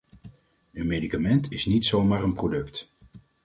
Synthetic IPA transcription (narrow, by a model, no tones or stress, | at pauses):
ənmejdikamɛntɪsnitsowmaːɾənprodɵkt